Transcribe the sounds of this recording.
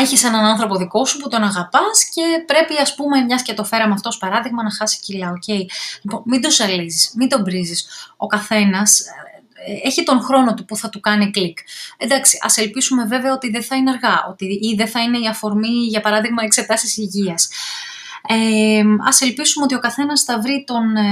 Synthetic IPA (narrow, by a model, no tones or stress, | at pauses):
e̞çise̞nɐnɐnθɾo̞po̞ðiko̞suput̪o̞nɐɣɐpɐsce̞pɾe̞piɐspume̞mɲɐscet̪ofe̞ɾɐmoɐft̪o̞spɐɾɐðiɣmɐnɐxɐsi̥cilɐoce̞jlipo̞nmid̪o̞sɐlizismid̪o̞bɾiziso̞̰kɐθe̞nɐs | eçit̪o̞ŋxɾo̞no̞t̪upuθɐt̪ukɐniklikend̪ɐksiʔɐ̰se̞lpisume̞ve̞veɐo̞t̪iðeθɐineɐɾɣɐʔo̞̰t̪iiðe̞θɐine̞iɐfo̞ɾmiʝɐpɐɾɐðiɣmɐekse̞t̪ɐsisiʝiɐs | eɐ̰se̞lpisumeot̪io̞kɐθe̞nɐsθɐvɾit̪o̞n